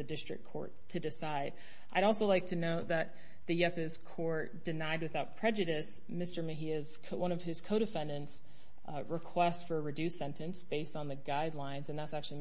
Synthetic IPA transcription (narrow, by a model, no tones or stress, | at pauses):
ɨdɪstɹ̥ɨ̰kʰɔ̰ɹtʰɨdɨsaɪɾ | ʔaɪɾɔlˠsoʊlaɪk̚tʰɨnoʊt̪̚ðɨt̪̚ | ðɨjɛpɨz̥kʰɔɹt̚d̥ɨnaɪd̚wɨθaʊt̚pʰɹ̥ɛd͡ʒɨɾɨs | mɪstə˞mɨɦiɨz̥ʰwʔʌ̃nʌv̥ɨz̥kʰoʊɾɨfɛ̃ndɨ̃nts | ɹɨkʰw̥ɛstfə˞ɨɹɨdʉsɛ̃ntɨ̃nsb̥eɪstn̩ðɨɡaɪdˡlãɪ̃nzɨ̃nðætsæk̚t͡ʃʉl̩ˠi